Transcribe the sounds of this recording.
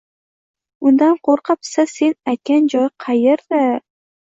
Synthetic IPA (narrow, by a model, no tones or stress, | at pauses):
ʊnd̪anqʰoɾqɑpsase̞najt̪̚kʲand͡ʒɒjqʰɑjeɾd̪ɪ